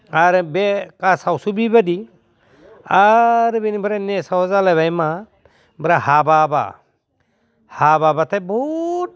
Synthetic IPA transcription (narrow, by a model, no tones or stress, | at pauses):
aɾbekasawsubibadi | aɾbinibɯɾanesawɔzalajbajma | bɾaɦababa̰ | hababatʰajbɔt̚